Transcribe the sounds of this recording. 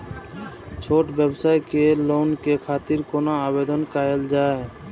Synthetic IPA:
t͡ʃʰoʈbɛbsaekelonkekʰaːt̪iɾkonaabed̪ɔnkaeld͡ʒaːe

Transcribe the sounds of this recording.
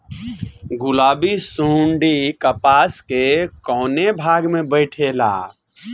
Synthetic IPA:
ɡʊlaːbisuɳɖikəpaːskekɔːnebʱaːɡmẽbəɪʈʰela̰ː

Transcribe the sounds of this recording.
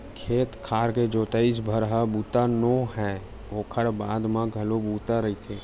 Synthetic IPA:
kʰeːt̪kʰaːɾked͡ʒoːt̪əis̬bʱəɾɦəbuːt̪anoɦɛ̃ | oːkʰəɾbaːd̪mãɡʱəlobuːt̪aɾəit̪ʰe

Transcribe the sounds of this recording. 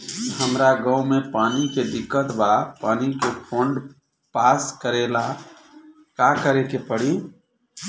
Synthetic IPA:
həmɾaɡə̃umepaːniked̪ɪkːət̪bapaːnikepʰõːɳɖ | paːskəɾela | kakəɾekepəɽi

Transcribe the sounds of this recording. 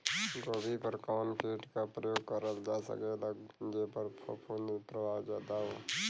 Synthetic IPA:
ɡobʱipəɾkaːnpʰeːʈkapɾəjoːɡ̚kəɾəld͡ʒasə̰kelaɡnd͡ʒepəɾpʰopʰunpɾəbʱad͡ʒaːd̪aɦoː

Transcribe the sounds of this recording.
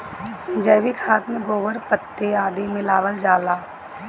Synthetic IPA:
d͡ʒəːʋikʰaːt̪mẽɡoːʋəɾpət̪ːeaːd̪emɪlaːʋəld͡ʒaːlaː

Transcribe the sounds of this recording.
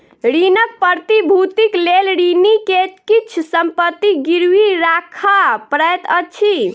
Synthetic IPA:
ɾinək̚pəɾt̪ibʱut̪iklelɾinikekit͡ʃʰsəmpət̪ːiɡiɾwiɾakʰapɾəjt̪ət͡ʃʰi

